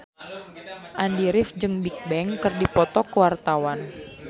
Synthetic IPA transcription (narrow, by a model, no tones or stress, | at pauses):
ʔandiɾɪfd͡ʒɨŋbik̚bɛŋkɨrdipɔt̪ɔkəwart̪awan